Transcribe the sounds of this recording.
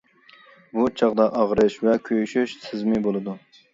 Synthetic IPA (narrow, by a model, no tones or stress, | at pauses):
but͡ʃʰɑʁd̪ɑʔɑʁɾɨʃvɛkʲʰøjʃyʃsʰɨzmɨbolˠɨd̪u